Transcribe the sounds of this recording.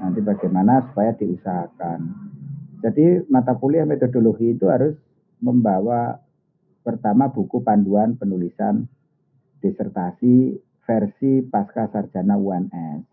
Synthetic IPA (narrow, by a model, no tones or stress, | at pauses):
nant̪ibaɡajmanasu̥pajad̥iusaɦakan | d͡ʒ̥adimat̪apuliamet̪odoloɡiːt̪uɦaɾʊs | məmbawa | pərt̪amab̥ukupanduanpənulisan | d̥esərt̪asi | fɛrsipaskasardd͡ʒ̥a̤nauanɛs